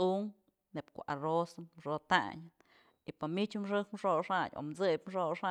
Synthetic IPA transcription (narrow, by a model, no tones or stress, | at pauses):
uŋ | nebkoʔarosɨnmʂot̪a̰ɲ | ipamit͡ʃmʂɨkmʂoʂaɲo̰mt͡sɨjpmʂoʂa